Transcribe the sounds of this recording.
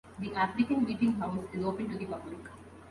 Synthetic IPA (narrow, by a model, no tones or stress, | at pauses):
d̪iʔæfɾɪkə̃nmiːʈɪ̃ŋɦaʊsɪzoːpə̃ɳʈud̪ipʌblik